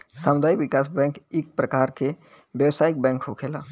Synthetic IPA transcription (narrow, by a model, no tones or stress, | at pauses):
samud̪ʱaːibikasbɛ̃ŋkik̚pɾəkaɾke | bjəwsaik̚bɛ̃ŋkɦokʰela